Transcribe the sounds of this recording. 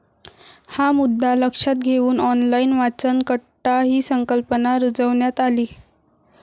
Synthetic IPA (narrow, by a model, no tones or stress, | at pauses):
hamud̪ʱːaləkʂat̪̚ɡʱeʋuːnɔnlainʋat͡sənkəʈaɦiːsəŋkəlpənaɾud͡zəʋɳjat̪aliː